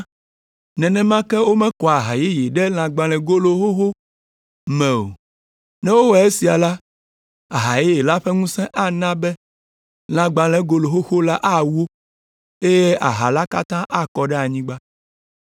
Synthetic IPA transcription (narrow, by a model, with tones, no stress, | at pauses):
nɛ̃˨nɛ̃˦mã˦kɛ˦wo˦mɛ̃˦kɔ˨a˨ɦa˨ji˦je˨ɖɛ˦l̃ã˨ɡ͡bã˨lɛ̃˨ɡo˦lo˦ɦo˦xo˦ | mɛ̃˨o̰˨ | nɛ̃˦wo˦wɛ˨e˦si˨a˨la˦ | a˨ɦa˨ji˦je˨la˦ɸɛ˦ŋũ˦sɛ̃˦ʔa˦nã˦bɛ˦ | l̃ã˨ɡ͡ba˨lɛ̃˦ɡo˨lo˨ɦo˦xo˦la˦ʔa˦wo˦ | e˦je˦ʔa̰˨ɦa˨la˦ka˦t̪ã˦ʔa˦kɔ˨ɖɛ˦a˨ɲĩ˦ɡ͡ba˦